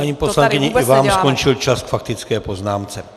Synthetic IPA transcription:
aɲiːpo̞slaŋkɪɲɛʔɪvaːmsko̞nt͡ʃɪlt͡ʃaskfak̚t̪ɪt͡skɛːpo̞znaːmt͡sɛ

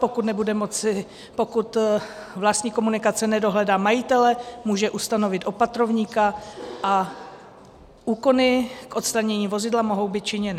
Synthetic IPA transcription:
po̞kut̪nɛbudɛmot͡sɪ | po̞kut̪ | vlast̪ɲiːko̞munɪkat͡sɛnɛdo̞ɦlɛdaːmajɪt̪ɛlɛmuːʒɛʔust̪ano̞vɪt̪ʔo̞pat̪ɾo̞vɲiːkaʔa | ʔuːko̞nɪkʔo̞t̪st̪ɾaɲɛɲiːvo̞zɪdlamo̞ɦo̞wbɪt̪̚t͡ʃɪɲɛnɪ

